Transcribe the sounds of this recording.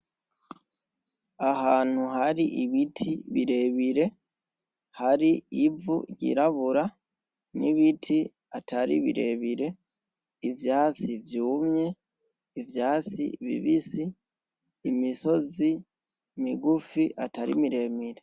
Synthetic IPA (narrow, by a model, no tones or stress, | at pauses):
aɦaːn̥huɦaɾiʔiβitʰiβiɾe̞βiɾe̞ | haɾiivṵɟḭɾaβuɾa | niβitʰi | atʰaɾḭβḭɾe̞βiɾe̞ | ivjaːt͡sivjuːmɲe̞ | ivjaːt͡sḭβḭβisiː | miso̞zi | miɡufiʔataɾḭmiɾe̞ːmiɾe̞